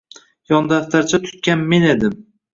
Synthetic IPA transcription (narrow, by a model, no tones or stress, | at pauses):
jɒnd̪aft̪ʰaɾt͡ʃʰat̪ʰʊ̥t̪̚kʲanme̞ne̞d̪ɪm